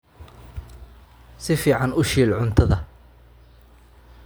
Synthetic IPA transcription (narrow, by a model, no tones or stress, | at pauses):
sɪfiːʕɑnʊʃiːlʕʊnt̪ʰɐðɐ